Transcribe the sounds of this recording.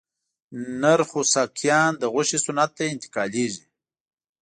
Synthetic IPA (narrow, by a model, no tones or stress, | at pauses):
naɾxusakʰjɑːnd̪əɣʊʃisʊnat̪̚ːaɪnt̪ɪ̥kɑleʒi